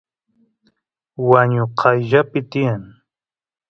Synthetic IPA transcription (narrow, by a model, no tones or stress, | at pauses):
waɲoqʰɑjʒapɪt̪ɪjaŋ